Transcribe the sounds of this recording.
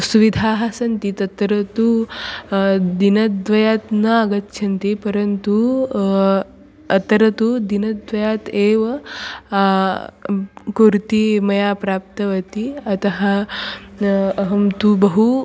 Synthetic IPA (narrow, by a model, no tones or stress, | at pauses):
suʋid̪ʱaːɦasɐnt̪it̪ɐt̪ɾɐt̪u | d̪inɐd̪ʋɐjat̪nɐaɡɐt̪ːʃʰɐnt̪ipɐɾənt̪u | ɐt̪ɾɐt̪ud̪inɐd̪ʋɐjat̪eʋɐ | kuɾt̪imɐjapɾap̚t̪ɐʋɐt̪iɐt̪ɐɦa | ɦɐmt̪ubɐɦu